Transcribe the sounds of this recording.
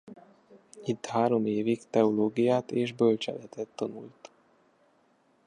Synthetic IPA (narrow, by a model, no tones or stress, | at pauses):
it̪ːhaːɾo̞meːvikt̪ɛoloːɡijaːt̪eːʒbølt͡ʃɛ̰lɛt̪ʰɛt̪ːɒnult̪